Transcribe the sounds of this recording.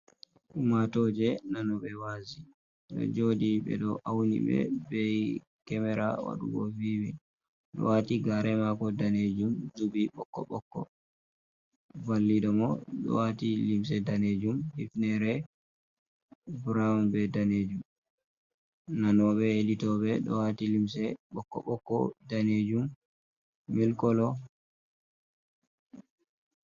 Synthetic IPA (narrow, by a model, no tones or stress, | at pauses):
ʔumatɔd͡ʒɛnanɔɓɛwazi | ɗɔ̰d͡ʒodiɓɛ̰ɗɔʔawnḭɓɛ̰bɛj | kɛmɛɾawa̰ɗṵɡɔ̰viwi | ɗɔ̰watiɡaɾɛmakɔdaned͡ʒumzubiɓɔkːɔɓɔkːɔ | valːiɗɔmɔɗɔ̰watilims̬ɛdaned͡ʒumhifnɛɾɛ | bɾaumbɛdaned͡ʒum | nanɔɓɛelitɔɓɛɗɔ̰watilimsɛɓɔkːɔ̰ɓɔkːɔ̰daned͡ʒum | milkɔlɔ